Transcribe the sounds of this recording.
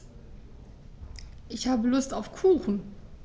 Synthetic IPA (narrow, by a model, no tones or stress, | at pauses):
ʔɪçhaːbəlʊstaʊfkʰuːxn̩